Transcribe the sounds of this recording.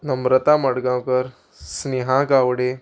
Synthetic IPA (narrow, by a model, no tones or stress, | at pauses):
nəmɾət̪aməɽɡãwkəɾ | sneɦãɡaʋɽe